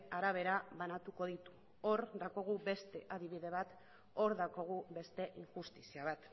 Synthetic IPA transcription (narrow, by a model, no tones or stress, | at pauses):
aɾaβ̞e̞ɾaβanat̪uko̞ð̞it̪u̥ | o̞ɾd̪ako̞ɣ̞ube̞st̪e̞ʔaðiβiðe̞β̞at̪ | oɾðako̞ɣ̞uβe̞st̪e̞ʔiŋʝust̪isiaβ̞at̪